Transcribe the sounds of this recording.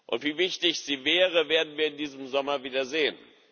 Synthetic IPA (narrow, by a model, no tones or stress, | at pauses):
ʔʊ̰ntv̥iːvɪçtɪçz̥iːvɛːʁ̞əveːɐdn̩viːɐɪndiːzəmzɔmɐviːdɐzeːən